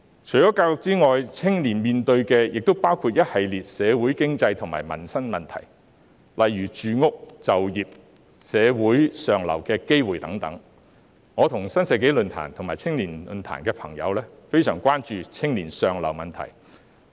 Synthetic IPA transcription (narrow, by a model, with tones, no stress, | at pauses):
t͡ʃʰɵ˨˩ɥjɔː˨˥kaː˧wjʊ˨k̚t͡siː˥ŋɔː˨jt͡sʰɪ˥ŋliː˨˩nmiː˨˩nt̪ɵ˧ɥkɛː˧jɪ˨k̚t̪o˥wpaː˥wkʰuː˨˧t̚jɐ˥t̚hɐ˨jliː˨t̚sɛː˨˧wu˨˥jkɪ˥ŋt͡sɐ˧jt̪ʰʊ˨˩ŋma̰ː˨˩jmɐ̰˨˩nsɐ˥nmɐ˨nt̪ʰɐ̰˨˩j | lʔɐ˨jːyː˨˩t͡ʃyː˨ŋʊ˥k̚t͡sɐ˨wjiː˨p̚ | sɛː˨˧wuː˨˥jsœː˨ŋlɐ̰˨˩wkɛː˧ke˥jwuː˨˩jt̪ɐ˨˥ŋt̪ɐ̰˨˥ŋ | ŋɔː˨˧t̪ʰʊ˨˩ŋsɐ˥nsɛː˨˧ke˨˥jlɵ˨˧nt̪ʰa̰ː˨˩nt̪ʰʊ˨˩ŋmaː˨˩t͡sʰɪ˥ŋliː˨˩nlɵ̰˧nt̪ʰa̰ː˨˩nkɛː˧pʰɐ̰˨˩ŋjɐ̰˨˧wlɛː˥fe˥jsœː˨˩ŋkʷaː˥nt͡ʃyː˧t͡sʰɪ˥ŋliː˨˩nsœː˨ŋlɐ̰˨˩wmɐ˨nt̪ʰɐ̰˨˩j